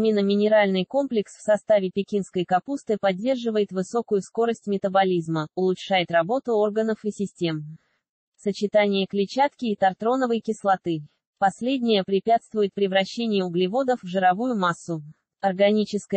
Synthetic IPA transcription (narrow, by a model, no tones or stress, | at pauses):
mʲinəmʲɪnʲɪɾalʲnɨjko̞mplʲɪksfsɐst̪avʲɪpʲɪkʲinskəjkɐpust̪ɨpɐdʲːe̞rʐɨvəjɪt̪vɨso̞kʊjʊsko̞ɾəsʲtʲmʲɪt̪əbɐlʲizməʊlˠʊtʂajɪt̪rɐbo̞t̪ʊo̞rɡənəfɨsʲɪsʲtʲe̞m | sət͡ɕɪt̪anʲɪjəklʲɪt͡ɕat̪kʲɪːt̪ɐrt̪ɾo̞nəvəjkʲɪslˠɐt̪ɨ | pɐsʲlʲedʲnʲɪjəpɾʲɪpʲat̪st̪vʊjɪt̪̚pɾʲɪvɾɐɕːenʲɪjʊʊɡlʲɪvo̞d̪əfvʐɨɾɐvujʊmasːʊ | ɐrɡɐnʲit͡ɕɪskə